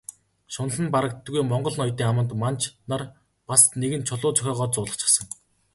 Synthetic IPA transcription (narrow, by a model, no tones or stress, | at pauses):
ʃʊnə̆ɮə̆npaɾə̆k̚t̪ɡujmɔɴɢɞ̆ɮnɔjt̪iːŋamə̆nt̪mant͡ɕʰnar | pasneɣɘ̆nt͡ɕʰʊɮʊːt͡sœxʲɔːʁɔːt͡sʊːɮə̆χt͡ɕʰḁ̆sə̆ŋ